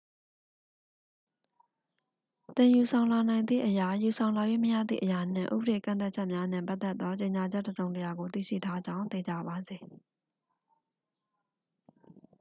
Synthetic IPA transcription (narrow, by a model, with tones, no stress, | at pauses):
t̪ɪ̃˨ju˨sʰã˨ʊ̃la˨nã˨ɪ̃nd̪ðḭ˦˨ʔəja˨ju˨sʰã˨ʊ̃la˨jwḛ˦˨məja̰˦˨d̪ðḭ˦˨ʔəja˨n̥ɪ̰̃˦˨ʔṵ˦bə˨ɾe˨kã̰˦˨nt̪a˦t̚t͡ɕʰɛ˦ʔmja˦n̥ɪ̰̃˨pa˦t̪ɛ˦t̪ːɔ˦t͡ɕe˨ɲa˨d͡ʑɛ˦ʔtːəzõ˨ʊ̃ntəja˨ɡo˨t̪ḭ˦˨ʃḭ˦˨tʰa˦d͡ʑã˦ʊ̃nt̪e˨d͡ʑa˨ba˨ze˨